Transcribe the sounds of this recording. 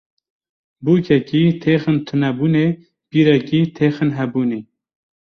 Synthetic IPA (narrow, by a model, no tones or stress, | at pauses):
buːkʰɛkiːt̪ʰeːxɨnt̪ʰʊnɛbuːne | b̥iːɾɛkiːt̪ʰeːxɨnɦɛbuːneː